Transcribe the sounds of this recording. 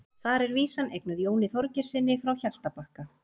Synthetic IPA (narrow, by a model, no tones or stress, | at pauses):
θaɾɛɾviːsanʔejknʏðjoːwnɪθɔɾcɛɾ̥sɪnːɪfɾawçal̥t̪apahka